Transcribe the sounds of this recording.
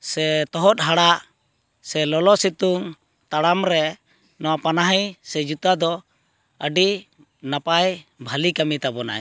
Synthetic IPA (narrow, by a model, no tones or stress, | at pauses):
sɛt̪ɔɦɔt̪̚ɦaɽaʔ | sɛlɔlɔsit̪uŋ | t̪aɽamɾɛ | nɔwapanaɦijsɛd͡ʒut̪ad̪ɔ | əɖi | napajbʱalikamit̪abɔna̰j